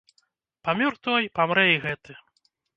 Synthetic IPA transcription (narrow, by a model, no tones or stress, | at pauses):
pamʲɔrt̪ɔjpamɾɛjɣɛt̪ɨ